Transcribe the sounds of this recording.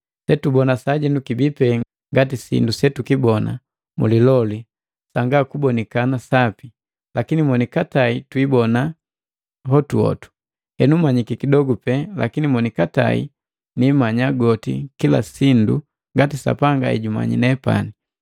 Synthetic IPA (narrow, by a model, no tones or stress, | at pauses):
sɛtubɔnasaɟɛnukibipɛ | ŋɡatisḭndusɛtukibɔna̰ | mṵlilɔli | saŋɡakubɔnikanasapi | lakinimɔnikataitwibɔna | ɦɔtuɔ̰tu̥ | hɛnumaɲikikidɔɡupɛla̰kinimɔnikata̰ḭ | nimaɲaɡɔtḭkila̰sindu | ŋɡatisa̰paŋɡa̰ɛ̰ɟuma̰ɲḭnɛpa̰ni